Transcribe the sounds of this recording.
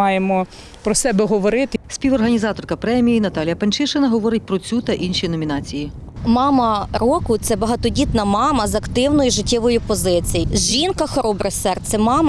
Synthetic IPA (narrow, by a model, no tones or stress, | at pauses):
ɑjemɔ | pɾɔsɛbɛɦɔʋɔɾɪt̪ɪsʲpʲiwɔrɦɐnʲizɑt̪ɔrkɐpɾɛmʲijinɐt̪ɑlʲjɐpɐnt͡ʃɪʃɪnɐɦɔʋɔɾɪt̚ʲpɾɔt͡sʲut̪ɐʔinʃinɔmʲinɑt͡sʲiji | mɑmɐɾɔkʊt̪sɛbɐɦɑt̪ɔdʲit̪nɐmɑmɐzɐkt̪ɪwnɔjʊʒɪtʲːɪʋɔjʊpɔzɪt͡sʲijizʒinkɐxɔɾɔbɾɛsɛrt̪sɛmɑmɐ